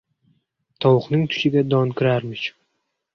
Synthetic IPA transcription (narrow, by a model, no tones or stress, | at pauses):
t̪ʰɒwχnɪŋt̪ʰʊ̥ʃɪɡʲad̪ɒnkʰʲɪɾaɾmɪt͡ʃʰ